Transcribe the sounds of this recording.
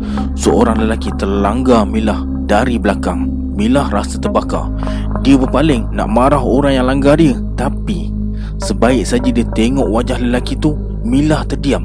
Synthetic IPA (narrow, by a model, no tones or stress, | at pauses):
səoɾaŋləlakit̪ərlaŋɡamĩlah | daɾibəlakaŋ | milahrasət̪ərbaka̰ | diəbəpalɪŋna̰ʔmaɾaɦoɾaŋjaŋlaŋɡadiə | t̪api | səbaɪʔ̚sad͡ʒadiət̪eŋɔʔwad͡ʒahləlakit̪u | milaht̪ərdiam